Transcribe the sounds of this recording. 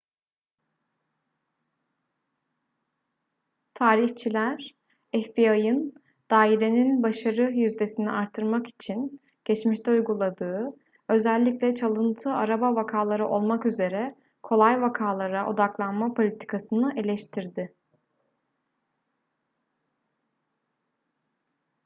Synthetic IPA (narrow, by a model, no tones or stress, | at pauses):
t̪ʰaːɾiçt͡ʃʰilʲæɾ | ɛfbiajɯn | d̪̥aːiɾe̞ninbaʃaɾɯjyzd̪e̞siniʔaɾt̪ʰːɯɾmaki̥t͡ʃʰin | ɟ̥ɛt͡ʃmiʃt̪ʰɛujɡulˠad̪ɯː | ø̞zælʲːiclʲɛt͡ʃʰalˠɯnt̪ʰɯaɾabavakʰaːlˠaɾɯʔo̞lˠmakyze̞ɾɛ | kʰo̞lˠajvakʰaːlˠaɾaʔo̞̰d̪aklˠanmapʰo̞lʲit̪ʰi̥kʰasɯnɯʔe̞lʲɛʃt̪ʰiɾd̪ɪ